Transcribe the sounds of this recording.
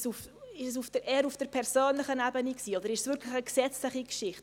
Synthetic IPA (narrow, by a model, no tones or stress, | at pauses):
suf | ɪʃəs̬ufd̥əɾʔɛːɾufd̥əɾpʰɛɾsoːnlɪχənɛbəniksiːodəɾɪʃsvɪɾkʰlɪxəksɛt͡slɪχikʃɪχt